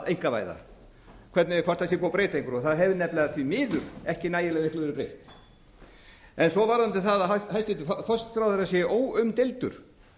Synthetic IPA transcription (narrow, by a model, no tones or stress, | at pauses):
ejŋ̥kava̰ːjða̰ | kʰvɛɾt̪nɪkʰvɔr̥t̪as̬jɛpɔwpɾeːjt̪ejŋkʏɾɔθaðɦɛvɪnɛplaðaθvimɪːðʏɾ̥ɛhcɪnaːjɪlɛɣðnɪhk̪lœɛɾɪpɾejht̪ | ɛnsɔvaɾðant̪ɪθaðaɦaɦalsɪt̪ɪfœst̪θɾawðaɾasjɛʔoːwʏmt̪ejlt̪ʏɾ̥